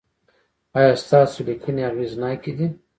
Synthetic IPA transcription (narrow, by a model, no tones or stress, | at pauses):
ajast̪aːsulikʰəniaɾwiznajkid̪i